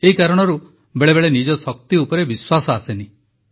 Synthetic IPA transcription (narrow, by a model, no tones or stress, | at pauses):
eɦikaɾɔɽ̃ɔɾu | beɭebeɭenid͡ʒɔsɔk̚t̪iupɔɾebiswasɔaseni